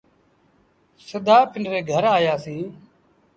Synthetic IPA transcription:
səd̪aːpʰɪɳɖɾeːɡʱəɾaːjaːsĩː

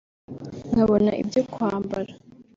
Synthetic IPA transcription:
ŋaβo̞naʔḭbjokwaːmbaɾa

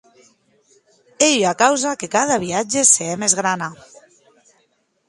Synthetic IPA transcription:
eʎakawzakekað̞aβiad͡ʒeseemezɣɾana

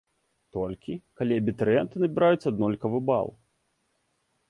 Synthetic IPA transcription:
t̪ɔlʲkʲikalʲiɐbʲit̪ɐɾɨjɛnt̪ɨnɐbʲiɾajut̪sʲːɐad̪nɔlʲkɐvɨba̰lˠ

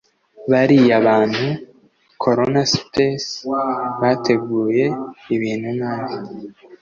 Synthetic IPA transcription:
βaɾijaβaːnhu | kʰo̞ɾonaspes | βate̞ɡuːje̞iβiːn̥hunaːβi

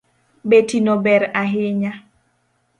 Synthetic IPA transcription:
betinobɛɾaɦɪɲa

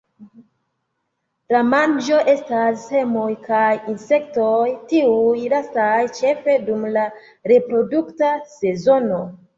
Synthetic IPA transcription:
lamand͡ʒo̞ʔe̞stashe̞mojkajinse̞kto̞jtiujlastajt͡ʃe̞fe̞dumla | ɾe̞pɾo̞duktase̞zo̞no̞

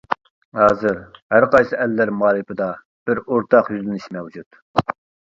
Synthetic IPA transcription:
hɑːzɨɾhæɾqɑjsɨʔɛlːæɾmɑːɾˠɨpɨd̪ɑ | b̥ɪɾoɾt̪ʰɑqjyzlɪnɪʃmɛwd͡ʒut̪

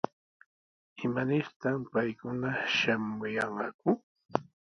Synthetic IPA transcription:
ɪmanɪɾt̪ampajkʊnaʃamʊjɑɴɢɑkʊ

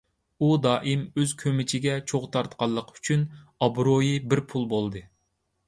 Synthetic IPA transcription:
ud̪ɑːʔɨmøzkʲʰømɪt͡ʃʰɪɡʲɛt͡ʃʰoʁt̪ʰɑɾt̪qʰɑlˠːəqʰy̥t͡ʃʰynɑbɾojibɪɾpʰulˠbolˠd̪ɨ

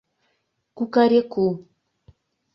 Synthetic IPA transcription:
kukaɾeku

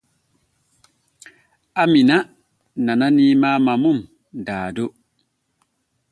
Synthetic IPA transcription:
amina | nananimaːmamum | daːdo

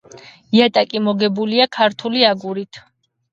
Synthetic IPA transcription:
iat̪ʼakʼimɔɡɛbuliakʰaɾt̪ʰuliaɡuɾit̪ʰ

